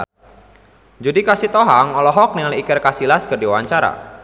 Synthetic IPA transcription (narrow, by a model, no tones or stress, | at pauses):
d͡ʒudikasit̪ɔɦaŋɔlɔɦɔk̚niŋliikɪrkasilaskərdiwaɲt͡ʃaɾa̰